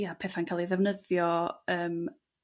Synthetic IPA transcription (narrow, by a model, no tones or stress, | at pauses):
japʰɛːθankʰaːlˠiðɛvnəðjɔəːm